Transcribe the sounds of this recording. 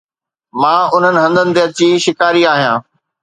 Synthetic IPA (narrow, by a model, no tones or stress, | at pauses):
mãːʊn̤ənɪ̆ɦɐ̃nd̪ənɪ̆t̪eɐt͡ɕiʃɪkaːɾiaːɦijãː